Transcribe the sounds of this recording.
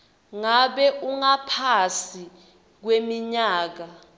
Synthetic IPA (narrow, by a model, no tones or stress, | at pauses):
ŋaɓɛʔuŋapʰasi | k̬wemiɲaːk̬a